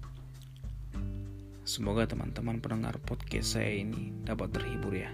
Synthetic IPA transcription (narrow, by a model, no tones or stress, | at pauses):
səmoɡat̪əmʔa̰nt̪əmanpənəŋa̰rpɔt̪̚kɛ̰sa̰jainidapat̪ːərhiburja